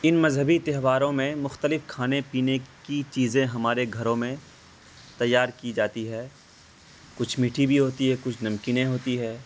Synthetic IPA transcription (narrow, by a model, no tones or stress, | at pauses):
ɪnmɐzɦəbit̪eɦʋaːɾõmẽmʊxt̪əlɪfkʰaːnepiːnekit͡ʃiːzẽɦɐmaːɾeɡʱɐɾõmẽ | t̪ɐjːaːɾkid͡ʒaːt̪iɦɛː | kʊt͡ʃʰmiːʈʰibʱiɦoːt̪iɦɛkʊt͡ʃʰnɐmkiːnẽɦoːt̪iɦɛː